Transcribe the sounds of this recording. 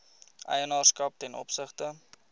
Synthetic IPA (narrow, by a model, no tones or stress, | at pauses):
ʔə̰jənɑːrskɐp̚tɛnɔ̰psəχtə